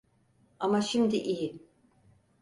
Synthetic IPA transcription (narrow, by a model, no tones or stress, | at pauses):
amaʃimd̪iʔiji